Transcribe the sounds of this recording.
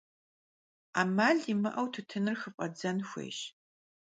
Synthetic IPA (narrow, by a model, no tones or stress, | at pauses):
aːmaːɮimɨʔɐwtʰɨtʰɨnɨrxɨfʼɐd͡zɐnxʷḛːʃ